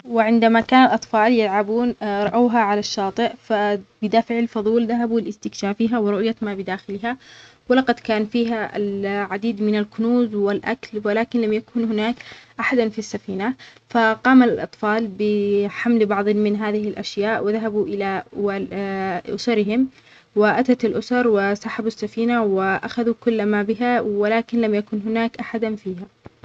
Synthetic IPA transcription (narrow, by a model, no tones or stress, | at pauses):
wɪʕɪnd̪amakaːnalʔɑt̪ˤfɑːljalʕabuːnɾˤɑʔaːɦaʕalaʃːɑːt̪ˤɨʔfabɪd̪aːfɪʕalfɑðˤuːlðaɦabuɪlɪst̪ɪkʃaːfiɦawɪɾʊʔjamabɪd̪aːxɪlɪha | wɪlɑqɑd̪kaːnfiːɦa̰lʕad̪iːd̪mɪnalkʊnuːzwɪlʔa̰klwɪlaːkɪnlamjakuːnhɪnaːkʔaħad̪anfisːafiːnafaqɑːmalɪlʔɑt̪ˤfɑːlbɪħamlbɑʕðˤmɪnɦaːðɪhɪlʔaʃjaːʔwɪðaɦabuʔɪlaaʔʊ̰sɑɾɪɦɪm | wɪʔat̪at̪alʔʊsɑɾˤwɪsaħabasːafiːnawɪʔaxaðukʊlːmabɪɦawɪlaːkɪnlamjakʊnɦʊnaːkʔaħad̪anfiːha